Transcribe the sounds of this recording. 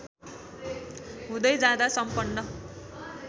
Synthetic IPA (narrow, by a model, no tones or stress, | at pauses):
ɦũd̪ʌjd͡zãd̪asʌmpʌnːʌ